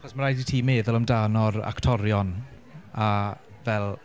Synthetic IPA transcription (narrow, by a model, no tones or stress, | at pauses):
aχɔsmaɾajditʰiːmeːðʊlˠəmdanɔra̰ktʰɔɾjɔn | a | vɛlˠ